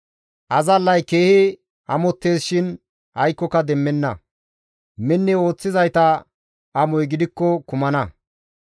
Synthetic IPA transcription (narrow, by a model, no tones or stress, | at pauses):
ʔɐzɐlːɐjkeːhɪ | ʔɐmɔt̪ːe̞ːsʃɪn | hɐjkːɔkɐd̪ɛmːɛnːɐ | mɛnːɛo̞ːt͡sːɪzɐjt̪ɐ | ɐmɔjɡɪd̪ɪkːɔkʊmɐnɐ